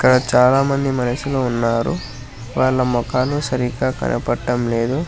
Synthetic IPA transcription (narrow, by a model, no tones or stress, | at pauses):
iikːɐɽɐt͡ʃaːlaːmɐnd̪imɐnɐʃulounːaːɾu | ʋaːɭːɐmɔkaːlusɐɾikaːkɐ̰nʔɐ̰pɐʈːɐmle̞ːd̪u